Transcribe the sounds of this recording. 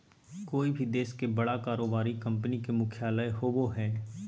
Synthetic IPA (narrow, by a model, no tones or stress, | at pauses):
koːibʱid̪eːskebɐɽakaːɾoːbaːɾikɐ̃mpnikemʊkʰjaːləeɦoːboɦɛː